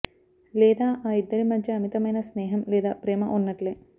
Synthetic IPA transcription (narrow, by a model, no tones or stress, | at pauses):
lɛːd̪aːʔaːid̪ːɐɾimɐd̪ʱjɐːmit̪ɐmɐjnɐsneːɦɐmlɛːd̪aːpɾeːmɐʔunːɐʈleː